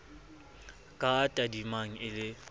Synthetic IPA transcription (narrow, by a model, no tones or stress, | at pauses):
kʼaːtʼadimaŋ̩ɪlɪ